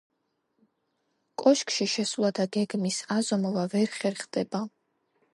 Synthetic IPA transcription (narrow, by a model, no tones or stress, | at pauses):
kʼɔʃkʰʼʃiʃɛsulˠad̪aɡɛɡmisazɔmɔvavɛɾχɛɾχd̪ɛba